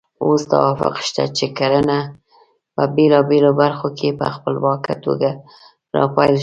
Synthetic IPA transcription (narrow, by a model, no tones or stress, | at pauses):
ost̪a̰wɑfɪ̰qʃt̪a̰t͡ʃekaɾana | pəbelɑbelobaɾxokʰepə̰xpəlwɑka̰t̪o̰ɡa | ɾɑ̰pɑjlʃ